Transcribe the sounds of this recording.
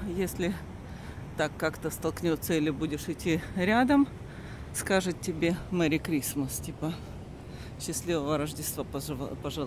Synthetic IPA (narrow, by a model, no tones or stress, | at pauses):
jesʲlʲɪ | t̪akːakt̪əst̪ɐlˠknʲot̪sːəilʲɪbudʲɪʂɪtʲːiɾʲad̪əm | skaʐɨt̪tʲːɪbʲemɛɾʲɪkɾʲisməstʲipə | ɕːɪsʲlʲivəvəɾəʐdʲɪst̪va̰pəʐɨ